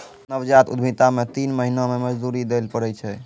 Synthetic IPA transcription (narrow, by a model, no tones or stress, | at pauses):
nəwd͡ʒat̪ṵd̪ʱmit̪amet̪inməɦinameməd͡ʒd̪uɾid̪elpəɽɛt͡ʃʰɛ